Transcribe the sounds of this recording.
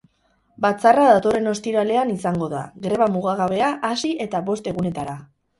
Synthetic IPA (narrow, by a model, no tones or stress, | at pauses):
bat͡saraðat̪o̞re̞no̞st̪iɾale̞anisaŋɡo̞ða̰ɣɾe̞βamuɣaɣ̞aβe̞aʔasiʔe̞t̪aβo̞st̪e̞ɣune̞t̪aɾa